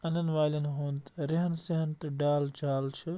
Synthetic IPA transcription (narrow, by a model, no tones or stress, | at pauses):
ɐnɐnʋaːlɐnɦoːnt̪ɾɪɦɐnsiɦɐnt̪ɐɖaːlt͡ʃaːlt͡ʃʰɨ